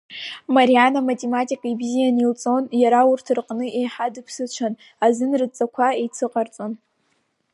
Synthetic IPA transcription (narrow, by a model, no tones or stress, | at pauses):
maɾianamatʲʼematʼikʼaibzijanilt͡sʼo̞njaɾaurtʰrqʼnɨʔejħadɨpʰsɨt͡ʃʷʰan | azɨnrɨt͡sʼakʷʰaejt͡sʰɨqʼart͡sʼon